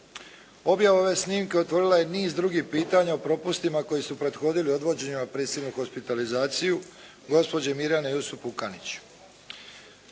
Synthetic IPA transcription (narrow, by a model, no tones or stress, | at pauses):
o̞bjaʋao̞ʋe̞sniːmke̞o̞t̪ʋo̞ɾilˠaje̞niːzd̪ɾuɡipiːt̪aɲaopɾo̞pust̪imako̞jisupɾe̞d̪xo̞ːd̪ilio̞d̪ʋo̞d͡ʑe̞ɲemapɾesibnuxo̞spit̪alizaːt̪siju | ɡo̞spo̞d͡ʑemiɾjanejusupukanit͡ɕ